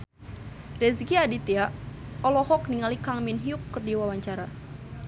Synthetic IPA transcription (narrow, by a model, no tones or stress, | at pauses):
rɛsɡiadit̪iaʔɔlɔhɔk̚niŋalikaŋminɦiukːərdiwawaɲt͡ʃaɾa